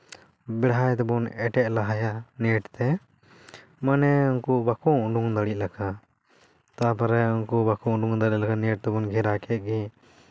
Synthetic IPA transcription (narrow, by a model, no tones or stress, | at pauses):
bɛɽɦajt̪ɛbɔnɛʈɛʔ̚laɦajaniʈt̪ɛ | manɛɔnkubakɔuɖuŋd̪aɽic̚ˀlakʰa | t̪apaɾɛɔnkubakɔũɖuŋd̪aɽit̪̚lakaniʈ̚t̪ɛbɔnɡʱɛɾakɛt̪̚ɡi